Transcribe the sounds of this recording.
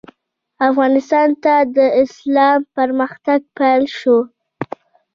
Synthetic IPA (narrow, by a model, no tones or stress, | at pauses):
afɣɑnɪst̪ɑnt̪ad̪əɪslɑmpəɾməxt̪aɡ̚pajlʃo